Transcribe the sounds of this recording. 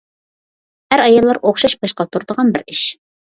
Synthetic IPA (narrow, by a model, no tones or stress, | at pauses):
hæɾɑjɑlˠːɑɾoχʃɑʃbɑʃqɑt̪ʰuɾd̪əʁɑnbɪɾɪʃ